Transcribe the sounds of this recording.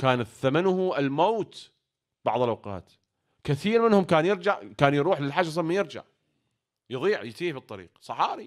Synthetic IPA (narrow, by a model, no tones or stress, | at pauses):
kaːnaθamanʊhʔɪlmoːt̪ | b̥ɑ̰ʕðˤəlʔawqɑ̰ːt̪ | kɪθiːɾmɪnhʊmkaːnjɪɾd͡ʒaʕkaːnjɾuːħlɪlħad͡ʒs̬ˤmːajɪɾd͡ʒa̰ʕ | jðˤiːʕjt̪iːbit̪ˤːɑɾḭːqsˤɑħɑːɾi